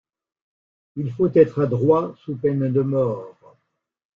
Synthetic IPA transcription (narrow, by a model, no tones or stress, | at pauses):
ilfot̪ɛt̪χad̪ʁwasupɛnd̪əmɔːʁ